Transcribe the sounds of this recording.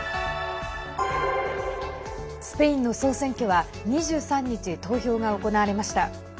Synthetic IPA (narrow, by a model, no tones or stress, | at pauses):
sɨ̥pe̞ĩnːo̞so̞ːsẽ̞ŋkʲoβa | ɲ̟iʑɨːsãɲ̟ːit͡ɕit̪o̞ːço̞ːŋao̞ko̞naaɾe̞maɕi̥t̪a